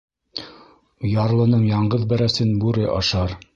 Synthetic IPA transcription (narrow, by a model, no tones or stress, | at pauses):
jɑɾlˠɤ̆nɤɴjɑɴɢɤðbæɾæsɘnbʉɾɘʔɑ̰ʃɑɾ